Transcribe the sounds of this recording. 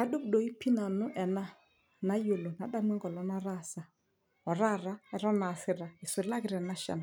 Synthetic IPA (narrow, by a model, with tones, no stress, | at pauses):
a˦ɗʊ˦b̚ɗɔ˨i˦pi˦na˨nʊ˦ʔɛ˨na˦ | na˦jo˨lo˨na˨ɗa˦mwɛ˦ŋɡɔ˨lɔ˦na˦ɾa˦˨sa˨ | ɔ˨ɾa˦˨ɾa˦ɛ˨ɾɔ˦na˨sɪ˨ɾa˨ɪ˨swɪ˨la˦kɪ˦ɾɛ˨na˦ʃɛ̰˨na˨